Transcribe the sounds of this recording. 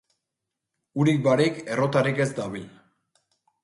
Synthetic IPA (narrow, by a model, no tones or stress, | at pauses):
uɾik̚baɾike̞ro̞t̪arike̞zd̪aβil